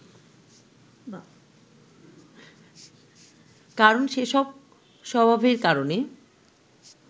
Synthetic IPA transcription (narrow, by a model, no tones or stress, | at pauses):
kaɾonʃeʃɔb̚ | ʃɔbʱabʱeɾkaɾone